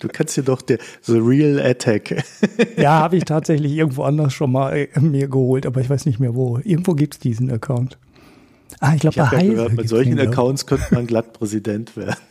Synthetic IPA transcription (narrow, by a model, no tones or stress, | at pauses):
d̥uːkʰansthiɐdɔχd̥iːɐzoʁiːlɛtʰɛkjaːhaːbəɪçtʰaːtz̥ɛçlɪçʔɪɐɡŋ̩tv̥oːʔandɐsʃoːnmaːlmiːɐɡəhoːltʔaːbɐɪçvaɪsnɪçtmeːɐvoːʔɪɐɡŋ̩tv̥oːɡiːp̚tsd̥iːzn̩əkʰaʊnt | ʔaχɪçɡlaːbəhaɪhːɐmɪtz̥ɔlçn̩ɐkʰaʊntskʰœntəmanɡlat̚pʁ̥ɛzidɛntv̥eːɐd̩n̩